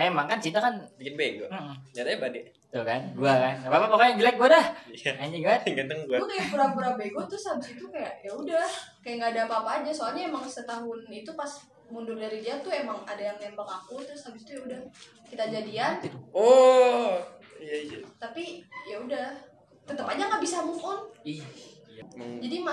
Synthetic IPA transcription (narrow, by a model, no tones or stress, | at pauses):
emaŋkant͡ʃit̪akanbikɪnbeɡom̩ʔm̩d͡ʒat̪aɲabadɛʔ | t̪uhkanɡuakanabapapakajad͡ʒəlak̚ɡuadahiaaɲd͡ʒiɡaɡant̪əŋɡuakajabəɾabəɾabeɡɔt̪ʊshabɪsit̪ukajaʔjaudahkajaʔŋɡaːdapaːpaːd͡ʒasoalɲaemaŋsət̪aɦʊnit̪upas | mundʊrdaɾid͡ʒiat̪ʊemaŋadajaŋnembakakut̪ɾʊshabɪsi̥t̪ujaudah | kit̪ad͡ʒadiano | ijait̪ut̪apijaudah | t̪ət̪əpaɲaŋɡaʔbisamuʔʊni | d͡ʒadima